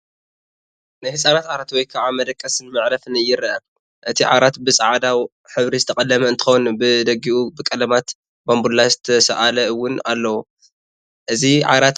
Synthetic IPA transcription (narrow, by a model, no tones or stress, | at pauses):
najhɨsʼanat̪ʕaɾat̪wɔjkʰaʕamɐd̪ɐkʼːɐsɨnmɨʕɾɐfɨnɨjɪɾɐʔɐ | ʔɨt̪ʰiʕa̰ɾat̪bɨsʼɐʕad̪aw | ħɨβɾizɨt̪ʰɐkʼɐlːɐmɐɨnt̪ʰɨxonbɨd̪ɐɡiʔubɨkʼɐlɐmat̪ | bambulːazɨt̪ʰɐsɐʔalɐɨwːʊnalːɐwu | ʔɨziʕa̰ɾat̪